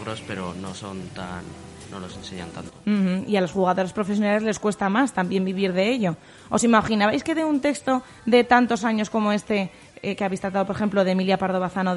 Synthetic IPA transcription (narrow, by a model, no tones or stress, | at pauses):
ɾospe̞ɾonoso̞nt̪anːo̰lose̞nseɲa̰nt̪ant̪̩x̩ialosxuɣaðo̞ɾaspɾo̞fe̞s̬jo̞nale̞zle̞skwe̞st̪amast̪ambje̞mbiβ̞iɾðe̞eʎo̞ | osimaχinaβajske̞ðeunt̪e̞kst̪o̞ | d̪ðe̞t̪ant̪o̞saɲo̞sko̞mo̞e̞st̪e̞ | keaβejst̪ɾat̪aðopoɾexe̞mploðemiljapaɾð̞o̞βaθano